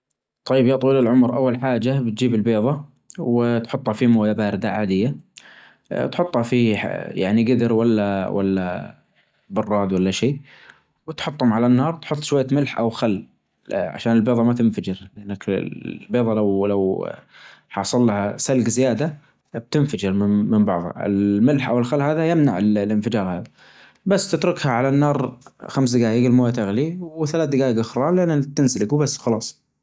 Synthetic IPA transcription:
t̪ˤːɑjːɪbjɑːʔt̪ˤwiːlɪlʕʊmɾʔa̰wːalħaːd͡ʒabɪt̪d͡ʒiːbɪlbeːðˤɑ | wɪt̪ħʊt̪ˤːhafimʊwjabaːɾɪd̪aʕaːd̪ɪjːa | t̪ħʊt̪ˤːhafija̰ʕniɡɪd̪ɪɾwalːawa̰lːa̰ | bʊrˤːɑːd̪walːaʃeː | wɪt̪ħʊt̪ˤːhʊmʕalanːɑːɾˤt̪ħʊt̪ˤːʃwajːamɪlħʔa̰wxalː | ʕa̰ʃaːnɪlbeːðˤɑmat̪ɪnfad͡ʒɪɾlʔanːakbeːðˤɑlawlaw | ħɑːsˤɑlːahasalɡzɪjaːd̪a | b̥̚t̪ɪnfad͡ʒɪɾmɪmɪmbɑʕðˤha̰ɪ̰lmɪlħʔa̰wɪlxalːhaːðajɪmna̰ʕɪllʔɪnfɪd͡ʒɑːɾˤhaːða | basːt̪ɪt̪ɾʊkhaʕalanːɑːɾˤxamsd̪ɪɡaːʔɪɡɪlmoːjat̪ɪɣliwɪθalaːθ̚d̪ɪɡaːʔɪɡʔaxɾˤɑːnlɪʔanːat̪ɪnsalɪɡuwbasːxɑlɑːsˤ

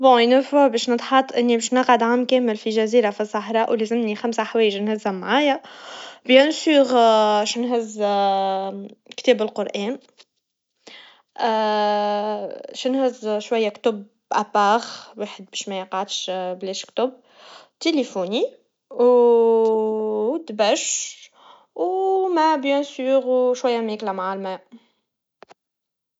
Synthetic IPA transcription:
bõːjnæfʊʕbɛːʃnət̪ˤħɑt̪ˤːʔɪnːibɛːʃnɑqʕad̪ʕamːkɛːmɪlfiʒæziːɾafisˤːɑħɾˤɑːʔwlezɪmnixamsaħawɛːjəʒnhæzæmːʕaːjabjænsuːɣʃnɦɪz | kt̪ɛːbɪlqoɾʔɛːn | ʔ | ʃnhɪzʃwæjːækt̪ʊb | ʔæpaːɣweːħəd̪̚biʃmæjəqɑʕd̪ʃbleːʃkt̪ʊb̚ | t̪elefuni | w | t̪bæʃ | wmɛbjɛnsyːʁwʃwæjːæmeklæmaʕalmæ

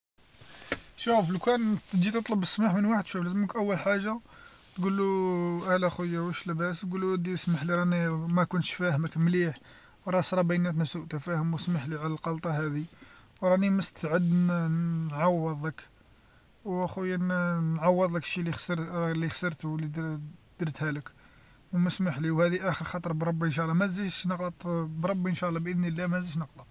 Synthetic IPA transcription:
ʃufəlkænt̪d̪it̪ət̪ˤləbəsːmaħmənwaħəd̪ʃuflæzəməkʔəwːəlħaʒːa | t̪ɡulːuʔælæxujːawəʃləbæst̪ɡulud̪ismaħliɾˤɑnimækʊnt̪ʃfæhəməkmliħ | wɾˤɑsɾˤɑbənæt̪nəsuʔt̪æfæhəmwəsmaħliʕalælqɑlt̪ˤɑhæd̪iwɾˤɑniməst̪ʰʕəd̪nnʕɑwːəðˤək | wxujːænnʕɑwːəd̪ˤləkʃːilixsɾlixsəɾˤt̪lid̪d̪̥əɾt̪hælək | wməsmaħliwhæd̪iʔæxəɾxɑt̪ˤəɾˤbɾˤɑbːiənʃæʔlˤːɑmæziʃnəqlət̪ˤbɾˤɑbːiənʃæʔlˤːɑbʔəd̪nilːæmæziʃnəqlət̪ˤ

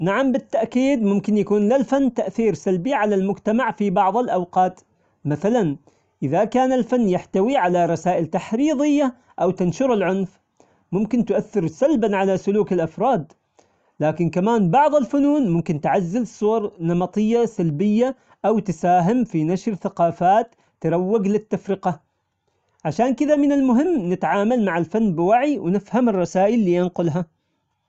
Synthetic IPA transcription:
naʕambɪt̪ːaʔkiːd̪mʊmkɪnjakuːnlalfanːt̪aʔθiːɾsalbiʕalalmʊd͡ʒt̪amaʕfibɑʕðˤɪlʔawqɑːt̪ | maθalan | ʔɪðakaːnalfanːjaħt̪awiʕalaɾˤɑsaːʔɪlt̪aħɾiːðˤɪjːa | ʔawt̪anʃʊɾɪlʕʊnf | mʊmkɪnt̪ʊʔaθːɪɾsalbanʕalasʊluːkɪlʔafɾˤɑːd̪ | laːkɪnkamaːnbɑʕðˤɪlfʊnuːnmʊmkɪnt̪ʕazːɪlsˤʊwɑɾˤnɑmɑt̪ˤɨjːasalbɪjːa | ʔawt̪ɪsaːɦɪmfinaʃɾθaqɑːfaːt̪ːɪɾˤɑwːɪɡlɪt̪ːafɾɪqɑ | ʕaʃaːnkɪðamɪnɪlmʊɦɪmːnɪt̪ʕaːmalmaʕɪlfanːbɪwaʕiwnɪfhamɪrˤːɑsaːʔɪlːiːjanqʊlɦa

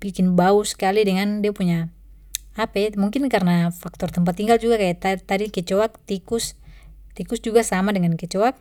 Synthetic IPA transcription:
b̥ikɪnbauskalidɛŋandiapuɲa | apɛmuŋkɪnkarnafak̚t̪ɔrt̪əmp̬at̪ːiŋɡald͡ʒuɡakajat̪at̪adikɛt͡ʃɔak̚t̪ikus | t̪ikusd͡ʒuɡasamadɛŋankɛt͡ʃɔak̚

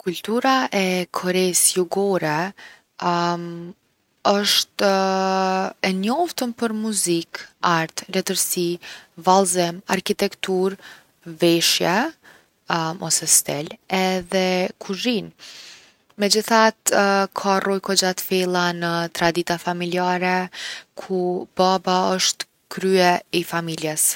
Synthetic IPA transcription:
kult̪uɾaʔɛkʰɔɾɛsjuɡɔɾɛ | ɔʃt̪ | ɛnɔft̪əmpəɾmuzikaɾt̪lɛt̪əɾsivalˠzɛmaɾkit̪ɛkt̪uɾ | vɛʃjɛ | mʔɔsɛst̪ɛlɛðɛkʰuʒin | mɛd͡ʑiθat̪kʰarɔjkɔd͡ʒat̪fɛlˠanət̪ɾad̪it̪afamiliaɾɛkʰubabaəʃt̪ | kɾyɛifamiljɛs

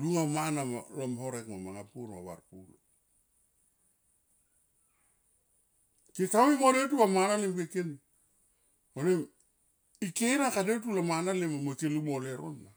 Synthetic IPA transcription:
luŋamanama̰lomhoɾekmamaŋapuɾma̰βa̰ɾpulo | kekawimoletulamanalemkekeni | onem | ikeɾnakadet̬ulamanalemamekelumoleɾo̰nːa

